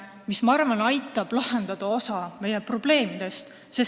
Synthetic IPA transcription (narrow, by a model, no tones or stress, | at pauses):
mismɑrmɑnɑjt̪ːˑɑb̥lɑhend̪̥ɑd̪̥ɑo̞sɑme̞jepro̞b̥le̞ːmid̪̥e̞st̪ | se